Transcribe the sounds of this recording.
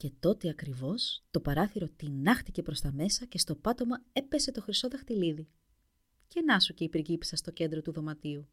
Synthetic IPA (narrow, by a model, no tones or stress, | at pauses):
ce̞t̪o̞t̪eɐkɾivo̞st̪o̞pɐɾɐθiɾo̞t̪inɐxt̪ice̞pɾo̞st̪ɐme̞sɐce̞st̪o̞pɐt̪o̞mɐe̞pe̞se̞t̪o̞xɾiso̞ðɐxt̪iliði | ce̞nɐsuce̞ipiɾɟipi̥sɐst̪o̞ce̞nd̪ɾo̞t̪uðo̞mɐt̪iu